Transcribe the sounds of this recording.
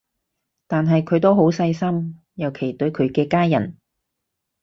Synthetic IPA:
t̪aː˨nɦɐ˨jkʰɵ˨˧ɥt̪̬o˥wɦo˨˥wsɐ˧jsɐ˥m | jɐ˨˩wkʰe˨˩jt̪ɵ˨˥ɥkʰɵ˨˧ɥkɛː˧kaː˥jɐ̰˨˩n

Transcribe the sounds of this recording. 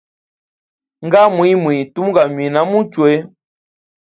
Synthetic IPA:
ŋ̩˦ɡa˦mu˨˦i˦mi˨tu˦m˦ɡa˨ɲwi˨na˦mu˦t͡ʃwe˦

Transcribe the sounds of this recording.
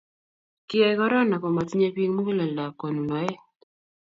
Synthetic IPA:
kɪ˦ɛ˦kɔ˦ɾɔ˦na˨kɔ˨ma˨ti˦ɲe˦pi˦ŋmu˦ɡi˦la˨la˨ko˨nu˨nɔ˨ɛ˦

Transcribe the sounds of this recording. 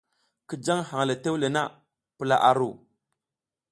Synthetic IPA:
ki˦d͡ʒa˦ŋha˨ŋ˨la˨te˦wle˨na˦ | pə˦la˦ʔa˨ɾu˦˨

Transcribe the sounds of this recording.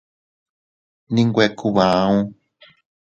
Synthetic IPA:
nĩ˦ŋɡʷe˧kʰu˧βãː˨˦ũ˦

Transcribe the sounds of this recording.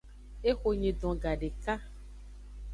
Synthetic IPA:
e˦xo˨ɲẽ˨ɖɔ̃˨ɡa˨ɖe˨ka˦

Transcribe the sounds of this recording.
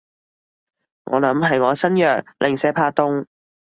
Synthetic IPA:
ŋɔ̰ː˨˧lɐ˨˥mɦɐ˨jŋɔː˨˧˥sɐ˥njœː˨˩k̚lʔɪ˨ŋsɛː˨˥pʰaː˧t̪ʊ˥ŋ

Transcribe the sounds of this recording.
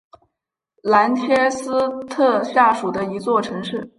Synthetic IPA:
la˧˥nt͡ɕʰjɛ˥sɹ̩˥t̪ʰɤ˥˧ɕja˥˩ʂu˨˩d̪ə˦i˧˥t͡swɔ˥˩ʈ͡ʂʰɤ˧˥ŋʂɻ̩˥˩

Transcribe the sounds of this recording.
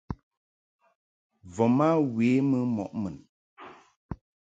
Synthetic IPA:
vɔ˨ma˦weː˨˦mə˦mɔ̰˨ʔmə˨n

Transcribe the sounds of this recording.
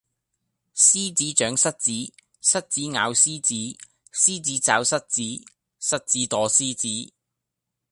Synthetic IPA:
siː˥t͡siː˨˥t͡ʃœː˨˥ŋsɐ˥t̚t͡siː˨˥ | sɐ˥t̚t͡siː˨˥ŋaː˨˧wsiː˥t͡siː˨˥ | siː˥t͡siː˨˥t͡sa̰ː˨˧wsɐ˥t̚t͡siː˨˥ | sɐ˥t̚t͡siː˨˥t̪ɔː˨˧siː˥t͡siː˨˥

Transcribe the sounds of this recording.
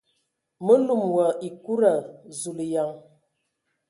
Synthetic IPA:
mə˦lu˦˨mwə˨i˨ku˦ɾa˨zu˨lja˨ŋ

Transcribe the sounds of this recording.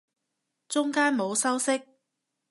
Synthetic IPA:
t͡sʊ˥ŋkaː˥nmo˨˧wsɐ˥wsɪ˥k̚

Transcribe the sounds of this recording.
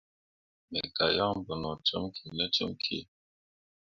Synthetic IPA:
mɛ˨ɡa˨jɔ˦bə˨nɔ˨tə˦mkʰi˨nə˦t͡ʃə̰˦mkʰḭ˦˨

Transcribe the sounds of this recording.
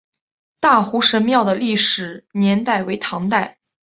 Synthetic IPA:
t̪a˥˩xu˧˥ʂə˧˥nmjɑ˥˩ʊd̪ə˩li˥˩ʂɻ̩˨˩njɛ˧˥nt̪a˥˩ɪwe˧˥ɪt̪ʰɑ˧˥ŋt̪a˥˩ɪ

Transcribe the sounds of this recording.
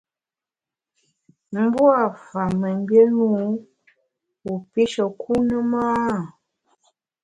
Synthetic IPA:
m̩˦bwa˦˨fa˨mə˨m˦bje˦nu˦ | u˨pi˦ʃə˨kʰu˦nə˦maaː˦˨

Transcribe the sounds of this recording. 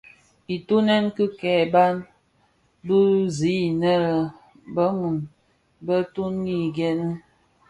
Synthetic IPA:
i˨tu˦nɛ˦nkɨ˦kɛ˨ba˦n | bə˦zi˨˦i˨nə˦ɾə˨ | bə˦mu˨n | bə˦tu˦nɡi˦˨ɡɛ˦nə˦

